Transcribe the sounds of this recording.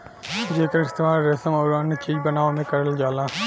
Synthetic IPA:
d͡ʒeːkəɾɪst̪eːmaːɾɾesəmɔːɾanːet͡ʃiːd͡ʒbənaːʋomẽkəɾəld͡ʒaːlãː

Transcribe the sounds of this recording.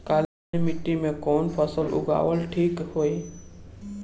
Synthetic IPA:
kal | imɪʈːimẽkɔːnpʰəsəlʊ̰ɡa̰ːwəlʈʰiːkhoi

